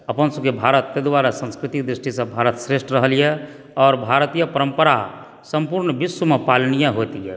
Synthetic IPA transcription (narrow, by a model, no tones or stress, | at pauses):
əpənsəkebʱaɾət̪ːed̪waɾasə̃nskɾɪt̪ik̚d̪ɾisʈʰisə̃bʱaɾət̪sɾeʃʈɾəɦəlijɛ | ɔːɾbʱaɾt̪ijəpəɾəmpəɾa | səmpuɾɳbiswəmepalnijaɦot̪ijɛ